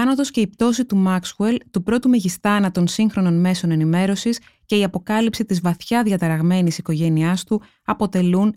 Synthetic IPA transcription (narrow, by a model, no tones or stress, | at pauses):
ɐnot̪o̞sce̞ip̚t̪o̞sit̪umɐksue̞lt̪upɾo̞t̪umeʝist̪ɐnɐt̪o̞nsiŋxɾo̞no̞nme̞so̞ne̞nime̞ɾo̞sis | ce̞iɐpo̞kɐlipsit̪izvɐθçɐðʝɐt̪ɐɾɐɣme̞nisiko̞ʝe̞niɐst̪u | ɐpo̞t̪e̞lun